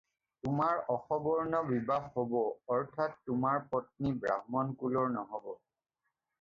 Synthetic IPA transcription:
tʊmaɹɔxɔbɔɹnɔbibaxhobɔɔɹtʰatːʊmaɹpɔt̚nibɹa̰ɦmɔnkulɔɹnɔɦɔbɔ

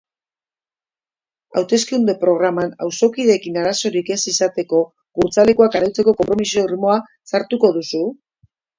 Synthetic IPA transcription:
a̰wt̪e̞skeund̪e̞pɾo̞ɣɾamana̰wso̞kiðe̞kinaɾaso̞ɾike̞sisat̪e̞ko̞ | ɣuɾt͡sale̞kuakaɾawt͡se̞ko̞ko̞mpɾo̞misoo̞rimo̞a | saɾt̪uko̞ðusu

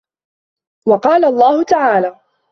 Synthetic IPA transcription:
wɑqɑːlaɑlˤːɑːhʊt̪aʕaːlaː

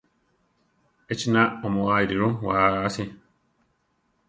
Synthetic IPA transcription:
et͡ʃinaɔmʊ̃wajiɾiɾʊ̃waːsɪ

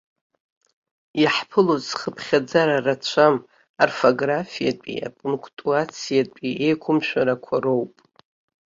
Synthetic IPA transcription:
jaħpʰɨlozχəpʰχʲad͡zaɾarat͡ɕʷʰam | arfoɡrafijat͡pʷʼḭa̰pʼuŋkʰʼtʼuat͡sʰijat͡pʷʼiʔejkʷʰʊmʃᶣaɾakʷʰaro̞wpʼ

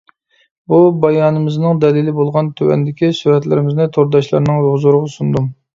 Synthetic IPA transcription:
bubɑjɑːnɨmɪznɨŋd̪ɛlilɪbolˠʁɑnt̪ʰywɛ̰nd̪ɪkʲisyhɛt̪lɪɾɪmɪznɪt̪ʰoɾd̪ɑʃlˠɑ̰ɾnɨŋɾʊzuɾəʁɑsund̪um

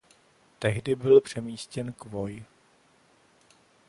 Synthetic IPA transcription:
t̪ɛɦdɪbɪlpr̝̥ɛmiːscɛnkvoj

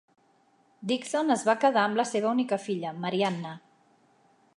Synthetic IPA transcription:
d̪iksonəzβakəðaəmləseβ̞əunikəfiʎəməɾianːə

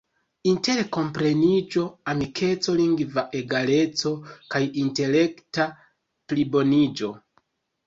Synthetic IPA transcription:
inte̞ɾko̞mpɾe̞nid͡ʒo̞amikʰe̞t͡so̞liŋɡvaʔe̞ɡale̞t͡so̞kajinte̞le̞kta | plibo̞nid͡ʒo̞

